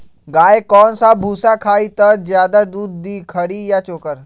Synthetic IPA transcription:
ɡaːekɔːnsabʱuːsakʰaːit̪ɐzjaːd̪ad̪uːd̪̚ːiːkʰəɽijat͡ʃoːkəɾ

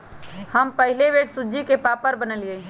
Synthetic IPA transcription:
həmpəɦɪleʋeːɽsʊd͡ʒikepaːpəɾbənəlie

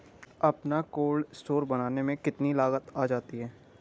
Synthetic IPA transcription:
ɐpnakoːlɖsʈoːɾbɐñaːnemẽkɪt̪nilaːɣət̪aːd͡ʒaːt̪iɦɛː

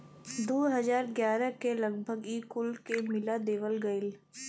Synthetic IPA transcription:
d̪oːɦɐzaːɾɡjaːɾəkelɐɡ̚bʱəɡiːkʊlkemɪlad̪eːʋəlɡɐɪl

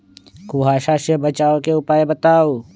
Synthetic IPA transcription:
kuɦaːʃaʃebət͡ʃaːokeʊpaːebət̪aːo

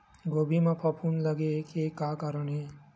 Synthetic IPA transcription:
ɡoːbʱimãpʰɐpʰuːnləɡekekaːkaɾənɦeː

